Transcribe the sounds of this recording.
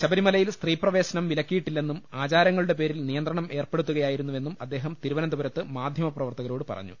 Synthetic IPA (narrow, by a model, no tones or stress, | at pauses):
ɕɐbɐɾimɐlɐjilst̪riːprɐʋe̞ːɕɐnɐmʋilɐkːijiʈːilːe̞nːumaːt͡ɕaːɾjɐŋːɐɭuɽe̞p̬e̞ːɾilnijɐnd̪rɐɳɐme̞ːrpeɽut̪ːuɣɐjaːjiɾunːuʋe̞nːumɐd̪ːe̞ːɦɐmt̪iɾuʋɐnɐnd̪ubɐɾɐt̪ːɨmaːd̪ʱjɐmɐprɐʋɐrt̪ɐɣɐɾo̞ːɽɨpɐ̰rɐ̰ɲːṵ